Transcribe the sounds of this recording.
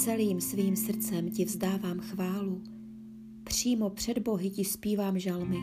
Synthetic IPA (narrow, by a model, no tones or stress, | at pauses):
t͡sɛliːmsviːmsr̩t͡sɛmcɪvzdaːvaːmxvaːlu | pr̥iːmo̞pr̝̥ɛdbo̞ɦɪcɪspiːvaːmʒalmɪ